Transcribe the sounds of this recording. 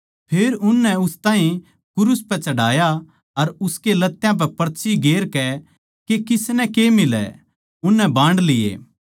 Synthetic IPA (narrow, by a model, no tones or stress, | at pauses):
pʰeːɾʊnːɛʊst̪ãːɦĩ | kʊɾʊspɛt͡ʃɐɽaːja | ɐɾʊskelɐt̪ːjãp̬ɛpɐɾt͡ʃʰiɡeːɾkɛ | kekɪsnɛkemɪlɛ̰ | ʊnːɛbãːɳɖlɪjḛː